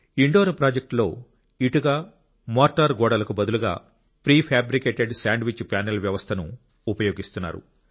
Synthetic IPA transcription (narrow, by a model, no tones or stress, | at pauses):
iɳɖoːɾpɾaːd͡ʒek̚ʈlo̞̰ː | iʈuɡaː | mɔːɾʈːɐɾɡɔːɽɐlɐkubɐd̪uluɡa̰ː | pɾiːpʰaːbɾikeːʈeɖsaːɳɖʋit͡ʃːpjaːnelʋjɐʋɐst̪ʰɐnṵː | pɐjo̞ːɡist̪unːa̰ːɾṵ